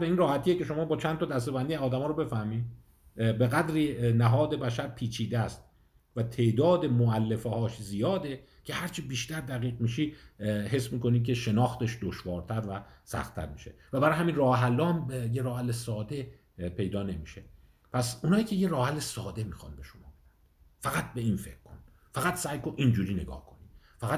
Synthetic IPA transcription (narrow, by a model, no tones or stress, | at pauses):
beiːnrɒːhæt̪ʰijece̞ʃo̞mɒːbɒːt͡ʃʰænt̪ʰɒd̪æst̪eænd̪ijɒːd̪æmɒːɾobe̞fæhmiːd | be̞ɣæd̪ɾiːnæɦɒːd̪e̞bæʃæɾpʰiːt͡ʃʰiːd̪eææst̪̚ | væt̪ʰe̞ʔd̪ɒːd̪emoælːefehɒːʃzijɒːd̪e̞ | cʰe̞hæɾt͡ʃʰibiːʃt̪æɾd̪æɣiːɣmiːʃiːɦe̞smiːko̞nid̪̚k̬ʲʰe̞ʃe̞nɒːxt̪e̞ʃd̪oʃvɒːɾt̪ʰæɾvæsæ̰xt̪ʰːæ̰ɾmiːʃe̞̰væbæɾɒːjhæmiːnrɒːheɦælːɒːmjeɾɒːhælːesɒːd̪e̞ | pʰe̞jd̪ɒːne̞miʃe | pʰæsunɒːiːcʲʰe̞jeɾɒːhælːesɒːd̪e̞miːxɒ̰nbe̞ʃomɒ̰ːbe̞d̪æn | fæɣæt̪̚be̞iːnfe̞kkʰːon | fæɣæt̪sæːjkonʔind͡ʒuːɾiːne̞ɡɒ̰ːhkʰo̞ni | fæɣæ